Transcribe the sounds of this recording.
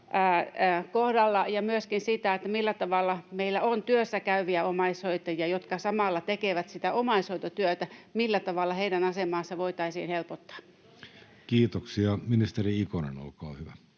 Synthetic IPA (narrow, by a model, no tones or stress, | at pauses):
æːkohdɑlːɑjɑmyøskinsit̪æˑet̪ːæmilːæt̪ɑʋɑlːɑmeilːæont̪yøsːækæyʋiæomɑisoit̪ɑjɑjot̪kɑsɑmɑlːɑt̪ekeʋæt̪sit̪æomɑisoit̪ot̪yøt̪æmilːæt̪ɑʋɑlːɑheidænɑsemɑːsːɑʋoit̪ɑisḭːnhelpot̪ːɑ̥ː | kiːt̪oksiɑminist̪eriikonḛno̰lkɑo̰hyʋæ